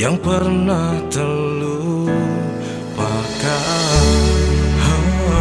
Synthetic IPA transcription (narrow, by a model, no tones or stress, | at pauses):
jaŋpərnaht̪əlu | paka | ha